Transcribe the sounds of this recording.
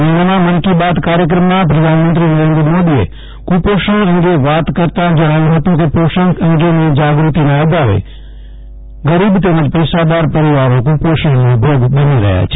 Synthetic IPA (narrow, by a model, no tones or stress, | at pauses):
nəmãmɐnkibaːt̪kaːɾjək̬ɾəmːãp̬ɾɐd̪ʱaːnmə̃nt̪ɾinəɾẽːnd̪ɾəmoːd̪iḛ | kupoːʃə̃ɐ̃ŋɡeʋaːt̪kəɾt̪ãd͡ʒɐɽ̃aːjõɦɐt̪ũk̬epoːʃə̃ŋkɐ̃ŋɡenẽd͡ʒaːɡɾut̪inãɐd̪aːʋḛ | ɡəɾiːbt̪̬eːmə̃d͡ʒpɛɪsad̪aːɾpɐɾɪʋaːɾõkuːpoːʃə̃ɽnũbjoːɡɓɐniɾɐ̰ɦja̰t͡ʃʰ